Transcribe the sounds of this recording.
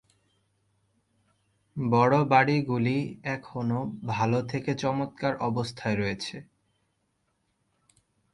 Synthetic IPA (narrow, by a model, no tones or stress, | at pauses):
bɔɽobaɽiɡuliɛkʰonobʱalot̪ʰeket͡ɕɔmot̪̚kaɾɔbost̪ʰaeɾɔet͡ɕʰe